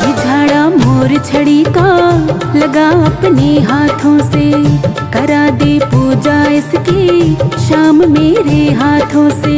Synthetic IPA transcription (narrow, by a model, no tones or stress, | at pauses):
ɦɪd͡ʒʱaːɽaːmoːɾt͡ʃʰɐɽiːkaː | lɐɡaːɐpneːɦaːt̪ʰõːseː | kɐɾaːd̪eːpuːd͡ʒaːɪskeʃaːmmeːɾeɦaːt̪ʰõːseː